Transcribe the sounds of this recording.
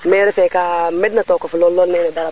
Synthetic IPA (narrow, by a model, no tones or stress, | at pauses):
mɛ̃ɛɾɛfɛkamɛdinatɔkɔfɔlɔlɔnejɾɛdaɾa